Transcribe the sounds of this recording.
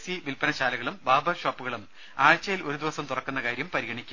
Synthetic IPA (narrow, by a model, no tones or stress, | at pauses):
siʋilpɐnɐɕaːlɐɣɐɭumbaːbɐrɕoːpːuɣɐɭum | aːɻt͡ɕːɐjilo̞ɾud̪iʋɐsɐmt̪urɐkːunːɐkaːɾjɐmpɐɾiɣɐɳikʲːu